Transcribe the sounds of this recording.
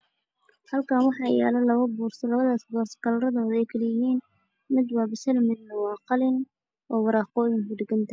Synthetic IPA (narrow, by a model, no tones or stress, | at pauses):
hɐlkʰaːnwɑħɑːjɛ̰ːlɐlɐwɐbuːrsɐlɐβɐðaːsɡɔːrskɐlɾɐðɔːd̪ɛjkʰɐlɪjɪɦiːn | mɪd̪wɑːbɪsɐlmɪd̪nɐwɑːqɑlɪn | ʔɔːwɑɾɑːqɔːjɪŋkʊɖɪɡɐnt̪ʰɐ